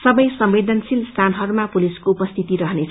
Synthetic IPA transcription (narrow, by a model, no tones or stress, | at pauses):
sʌbʌjsʌmbed̪ʱʌnsilst̪ʰanɦʌɾumapuliskoupʌst̪ʰit̪iɾʌɦʌnet͡sʰ